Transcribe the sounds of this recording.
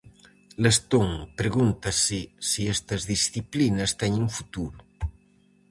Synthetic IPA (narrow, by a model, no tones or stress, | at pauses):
lest̪oŋpɾeɣunt̪asisiest̪ɐzðisθiplinɐst̪ɛɲeŋfut̪uɾu